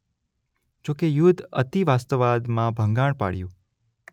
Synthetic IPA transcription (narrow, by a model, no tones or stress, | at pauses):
d͡ʒokejud̪ʱət̪iʋast̪əʋad̪mãbʱə̃ŋɡãɽ̃pa̰ɽjṵ̃